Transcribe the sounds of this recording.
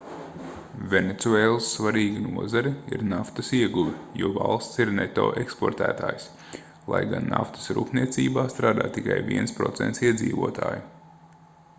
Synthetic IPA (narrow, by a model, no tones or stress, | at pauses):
vʲenet̪suɛːlˠəsːvaɾiːɡinuɔzaɾiḭɾnaft̪ɐsiɛɡuʋʲijuɔva̰lˠst̪siɾnet̪o̰ːʔekspoɾt̪æ̰ːt̪a̰ːjs | lˠa̰jɡanːa̰ft̪ə̥sɾṵːpniɛt̪siːbaːst̪ɾaːd̪a̰ːt̪ːikajvḭɛnspɾɔt̪seɛ̰nt̪siɛd̪zḭːʋuɔt̪ʰa̰ːju